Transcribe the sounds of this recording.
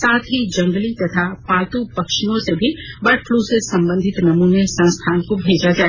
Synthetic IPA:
saːt̪ʰɦid͡ʒɐ̃ŋɡlit̪ɐt̪ʰapaːt̪upɐkʃijõsebʱibɐɾʈʰlusesɐ̃mbə̃nd̪ʱɪt̪nɐmunesɐ̃nst̪ʰaːnkobʱeːd͡ʒad͡ʒaːe

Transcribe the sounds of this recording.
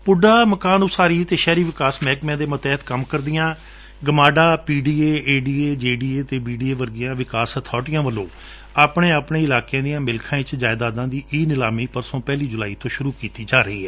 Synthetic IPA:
pʊɖaːməkaːnʊsaːɾiːt̪eːʃɛːɾiːʋɪkaːsmɛ̃ːkmɛ̃ːd̪eːmət̪ɛːt̪kəmkəɾd̪ɪjãː | ɡəmaːɖaːpiːɖiːeːeːɖiːeːd͡ʒeːɖiːeːt̪eːbiːɖiːeːʋəɾɡɪjãːʋɪkaːsət̪ʰɔːʈɪjãːʋəlːõ̰ː | aːpɳeːaːpɳeːɪlaːkẽãːd̪ijãːmɪlkʰãːɪt͡ʃd͡ʒaːɪd̪aːd̪ãːd̪iːʔiːnɪlaːmiːpəɾsõːpɛːliːd͡ʒʊlaːiːt̪õːʃʊɾuːkiːt̪iːd͡ʒaːɾəiːɛː

